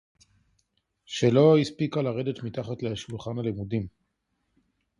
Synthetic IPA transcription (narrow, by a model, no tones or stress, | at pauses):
ʃe̞lo̞ispikalaʁedetmitaχatleaʃulχanalimudim